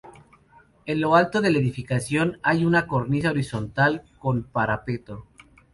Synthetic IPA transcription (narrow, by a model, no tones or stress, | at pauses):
e̞nlo̞alt̪o̞ðe̞laeðifikasjo̞najunako̞ɾnis̬ao̞ɾiso̞nt̪alko̞npaɾape̞t̪o̞